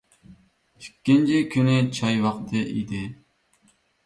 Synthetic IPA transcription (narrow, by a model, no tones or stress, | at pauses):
pʰi̥kʲːint͡ʃʰikʲʰynyt͡ʃʰɑjwɑqt̪ʰɨʔid̪ɪ